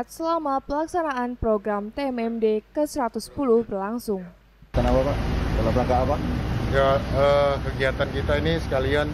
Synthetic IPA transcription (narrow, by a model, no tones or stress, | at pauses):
at̪̚səlamapəlaksanaanpɾoɡɾamt̪eɛmɛmdekəsəɾat̪ʊspulʊhbərlaŋsʊŋ | kənapapaʔdəlablaŋkaapaʔjaəkəɡiat̪ankit̪ainisə̥kalian